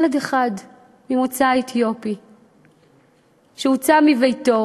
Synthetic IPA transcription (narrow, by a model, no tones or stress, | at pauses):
ledeχad | mimut͡saetʰjo̞pi | ʃeut͡samivejto̞